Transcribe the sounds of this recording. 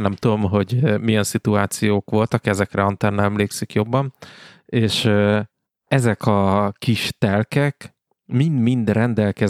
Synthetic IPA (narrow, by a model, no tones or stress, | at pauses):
ɛmt̪ud̪o̞mɦo̞ɟmijɛnsit̪uaːt̪sijoːkʋo̞lt̪ɒkɛzɛkrɛɒnt̪ɛrnɛmleːksikjo̞bːɒneːʃ | ɛzɛkʰɒkiʃt̪ɛlkɛk | mind̪mind̪rɛnd̪ɛlkɛ